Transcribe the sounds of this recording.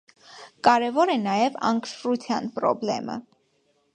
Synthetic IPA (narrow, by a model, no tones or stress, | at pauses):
kɑɾɛvɔɾɛnɑjɛvɑ̰ŋkʃɾut͡s̪ʰjɑnpɾɔ̰blɛ̰mə̰